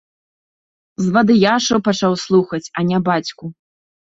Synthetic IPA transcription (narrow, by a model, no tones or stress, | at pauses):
zvad̪ɨjaʂɐwpat͡ʂawslˠuxɐt͡sʲɐnʲabat͡sʲku